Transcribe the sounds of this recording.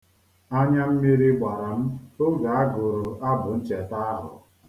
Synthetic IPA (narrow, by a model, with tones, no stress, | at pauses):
a˦ɲa˦m̩˦mi˦ɾi˦ɡ͡ba˨ɾa˨m̩˦ʊ˦ɡa˨a˦ɡʊ˨ɾʊ˨ʔa˦bʊ˨n̩˦t͡ʃe˨ta˦a˦ɦʊ̰˨